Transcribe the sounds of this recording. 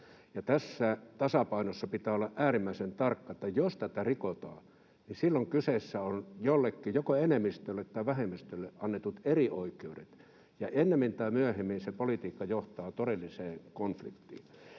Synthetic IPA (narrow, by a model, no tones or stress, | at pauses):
jɑt̪æsːæt̪ɑsɑpɑinosːɑpit̪æːolːɑʔʔæːrimːæisent̪ɑrkːɑet̪ːæjost̪æt̪ærikot̪ɑ̰ː | nisilːoŋkysesːæonjolːekːijokoenemːist̪ølːet̪t̪ːɑˑiʋæhemːist̪ølːeʔɑnːet̪ut̪erioikˑeudḛt̪ | jɑʔenːemːint̪ɑimyæhemːinsepolit̪iːkːɑjoht̪ɑːt̪oɾelːiseːŋkonflḭkt̪ːˑḭː